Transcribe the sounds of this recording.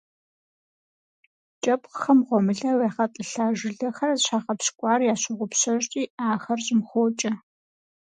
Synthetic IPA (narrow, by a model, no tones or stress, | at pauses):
t͡ʃʼɐpqxɐmʁʷɔmɨɮɐweːχɐtʼɨɬaːʒɪɮɐxɐrɐɕʰaːχɐpɕkʷʼɑːrjaːɕɪʁʷʊpɕɐɕtʼiːaːxɐrɕʼɪmxʷoːt͡ʃʼɐ